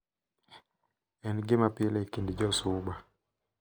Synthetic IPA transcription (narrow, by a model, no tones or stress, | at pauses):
ɛnɡemapilɛkindid͡ʒɔsuɓa